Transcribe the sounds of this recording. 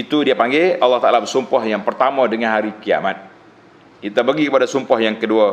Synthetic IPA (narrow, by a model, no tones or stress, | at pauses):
it̪udiapaŋɡɛɑlːɑht̪aʔalabərsumpɔhjaŋpərt̪amadəŋanɦaɾikia̰mat̪̚ | kit̪abərɡikəpadasumpɔhjaŋkədua